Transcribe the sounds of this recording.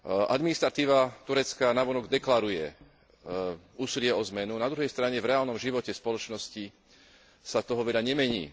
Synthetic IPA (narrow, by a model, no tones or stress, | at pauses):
ʔa̰d̪minist̪ɾat̪iːʋat̪uɾɛt͡skanaʋɔnɔɡd̪ɛklaɾujɛ | uːsilɪɛɔzmɛnunad̪ɾuɦɛjst̪ɾaɲɛvɾɛaːlnɔmʒiʋɔcɛspɔlɔt͡ʃnɔsci | sat̪ɔɦɔʋɛlaɲɛmɛɲḭː